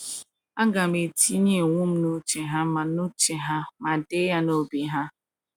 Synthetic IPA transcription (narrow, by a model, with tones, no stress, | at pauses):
a˦ɡa˨me˨tʰi˦ɲe˦˨ŋʷu˦m̩˦no˦t͡ʃe˨ɦa˦ma˨no˦t͡ʃe˨ɦa˦ma˨de˦ja˦no˦bi˨ɦa˦